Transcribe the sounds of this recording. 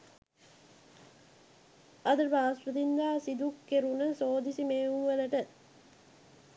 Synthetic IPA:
ɐd̪ɐɾbaːsɾɐt̪ind̪aːsid̪ukːeɾunɐsoːd̪isimeːuʋɐlɐʈɐ

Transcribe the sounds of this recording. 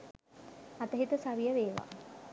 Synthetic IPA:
at̪əɦit̪əsaʋijəʋeːʋa̰ː

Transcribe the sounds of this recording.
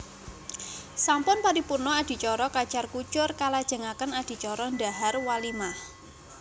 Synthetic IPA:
sampʊnpaɾipurnɔad̥i̤t͡ʃɔɾɔkat͡ʃarkut͡ʃʊrkalad̥ʒ̥ə̤ŋakənad̥i̤t͡ʃɔɾɔnda̤ɦarwalimah

